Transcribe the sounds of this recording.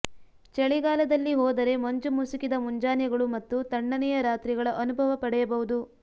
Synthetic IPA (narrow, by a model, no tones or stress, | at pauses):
t͡ʃɛɭiɡaːlɐd̪ɐlːiɦɔːd̪ɐɾe̞moɲd͡ʒumusikid̪ɐmuɲd͡ʒaːnjɐɡɐɭumɐt̪ːut̪ɐɳːɐnɛjɐɾaːt̪ɾiɡɐɭɐʔɐnubʱɐʋɐpɐɽɛjɐbɐʋud̪u